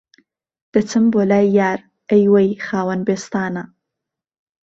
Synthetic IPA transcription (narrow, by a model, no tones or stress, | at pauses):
d̪̥ət͡sɪmbolajaɾ | əjwajxɑːwanbest̪ɑna